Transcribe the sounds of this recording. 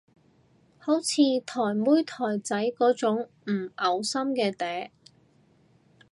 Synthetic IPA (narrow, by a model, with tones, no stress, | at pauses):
ho˨˥wt͡sʰiː˨˧t̪ʰɔː˨˩jmuː˥jt̪ʰɔː˨˩jt͡sɐ˨˥jkɔː˨˥t͡sʊ˨˥ŋ | m̩˨˩ɐ˨˧wsɐ˥mkɛː˧t̪ɛː˨˥